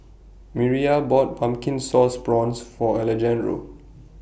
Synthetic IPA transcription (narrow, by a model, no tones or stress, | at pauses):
miɹiabɔt̚bãmkĩnsɔsbɹɔ̃nsfɔɛlɛd͡ʒɛ̃nɹo̰